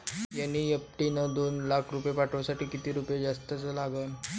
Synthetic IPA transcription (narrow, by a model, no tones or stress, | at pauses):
janːiːəp̚ʈ̪inəd̪onlakʰɾupjepaʈʰʋasaʈiːkit̪iːɾupjed͡zast̪ət͡səlaɡən